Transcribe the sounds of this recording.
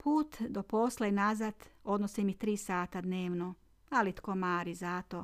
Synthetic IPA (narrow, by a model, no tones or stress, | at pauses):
pʰuːt̪d̪opo̞slenazat̪o̞d̪nosimit̪ɾiːsaːt̪ad̪neːʋno | alit̪koːmaːɾizat̪o